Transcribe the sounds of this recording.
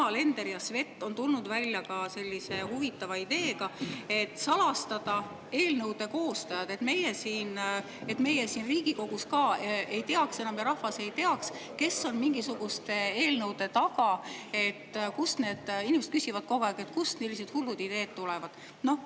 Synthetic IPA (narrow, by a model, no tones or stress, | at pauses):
ɑle̞nd̪e̞ɾjɑsve̞t̪ːˑo̞nt̪ulnud̪vælʲːjɑkɑse̞lʲːise̞huvit̪ːˑɑvɑid̪̥e̞ːɡ̥ɑe̞t̪ːˑsɑlɑst̪ɑd̪̥ɑ | e̞ːlnɤwd̪e̞ko̞ːst̪ɑjɑd̪̥e̞t̪me̞jesiːn | e̞t̪me̞jesiːnriːɡ̥iko̞ɡ̥uskɑːʔe̞jt̪eɑkse̞nɑmjɑɾɑhvɑse̞jt̪e̞ɑks | ke̞sːo̞nmiŋɡisuɡ̥ust̪ee̞ːlnɤwd̪̥e̞t̪ɑɡ̥ɑe̞t̪ːkusne̞ːd̪̥inimse̥kysivɑd̪̥̚ko̞ɡoæket̪kust̪nelːise̞d̪̥hulːud̪̥id̪e̞ːd̪̥t̪ulɛvɑd̪̥ | no̞h